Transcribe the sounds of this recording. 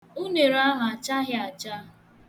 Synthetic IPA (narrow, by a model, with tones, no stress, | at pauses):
ʊ˦ne˨ɾa˦ɦʊ˨a˨t͡ʃa˦ɦɪ˦a˨t͡ʃa˦